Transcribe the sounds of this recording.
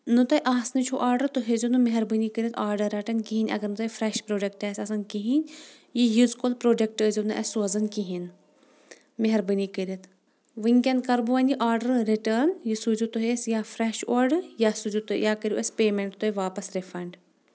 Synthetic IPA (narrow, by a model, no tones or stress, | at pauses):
nɨt̪ɐjʔaːsnɨt͡ʃʰuʔaːɾɖɐɾt̪uɦezunɨmeɦɐɾbənikəɾʲɐt̪ʰaːɾɖɐɾɐʈɐnʲkiɦinʲɐ̰ɡɐɾnut̪ɐjfɾɛʃpɾoːɖɐkʈɛsʲɐsɐnkiɦinʲ | jijuzkolpɾoːɖɐkʈəzʲunɨʔɐsozɐnkiɦin | meɦɐɾbənikəɾʲɐt̪ʰ | ʋɨŋkʲɐnkɐɾbuʋɐniʔaːɾɖɐɾɾiʈənjisuzut̪uɦesjaːfʰɾɛːʃoɾɖjasuzut̪ujaːkəɾʲuʔespeːmeɳʈt̪oeʋaːpɐsɾefɐɳɖ